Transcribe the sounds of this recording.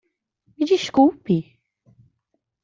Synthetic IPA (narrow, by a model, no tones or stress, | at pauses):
mid͡ʒiʃkuwpi